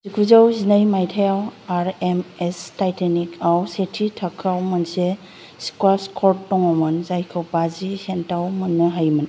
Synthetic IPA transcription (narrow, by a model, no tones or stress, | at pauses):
zikʰuzawzinajmajtʰajawaɾemestajtenikʰawsetʰitʰakʰɾawmɐnse | si̥kwaskʰɔɾtːɔŋamɯnzajkʰɯwpazisentawmɯnːɯɦajmɯn